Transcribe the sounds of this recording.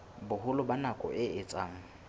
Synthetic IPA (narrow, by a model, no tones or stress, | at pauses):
bʊhʊlʊbanakʼɔ̰ʔɪɪt͡sʼaːŋ̩